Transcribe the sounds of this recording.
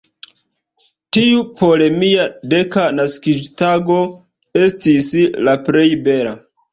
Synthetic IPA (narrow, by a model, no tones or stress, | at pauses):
tiupo̞le̞miade̞kanaskid͡ʒtaɡo̞ | e̞stislapɾe̞jbe̞la